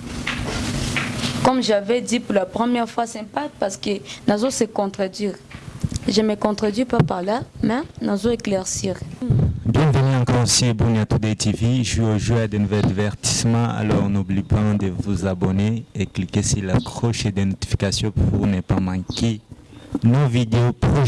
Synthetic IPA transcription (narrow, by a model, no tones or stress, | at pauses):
kɔmʒavɛd̪ipuʁlapʁəmjɛʁfwasɛ̃pat̪paʁskənazɔ̃sekɔ̃t̪χad̪ɥiʁ | ʒəmekɔ̃t̪χad̪ɥipapaʁlamɛnazɔ̃eklɛʁsiʁbjɛ̃vənyɑ̃kɔʁosiebunat̪ud̪et̪iviʒioʒwead̪enuvɛd̪vɛʁt̪i̥smɑ̃a̰lɔʁɔ̃nublipãd̪əvuzabɔneeklikesilakχɔʃed̪enɔt̪i̥fi̥kasjɔ̃puʁvunɛpamɑ̃ke | novid̪eopχo